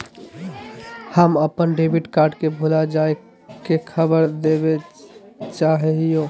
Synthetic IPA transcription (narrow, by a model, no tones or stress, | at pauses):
həməpənɖebiʈkaːɾɖkebʱulad͡ʒae | kekʰəbəɾd̪ebe | t͡ʃaɦɦijoː